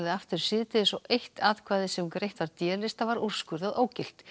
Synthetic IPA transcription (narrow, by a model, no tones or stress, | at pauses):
ðɪaft̪ʏɾ̥sɪðt̪ɪðɪsɔʔejht̪aːðkʰvaːjðɪsɛmkɾejht̪vaɾt̪jɛːlɪst̪avaɾur̥skʏɾðaðoːwcɪl̥t̪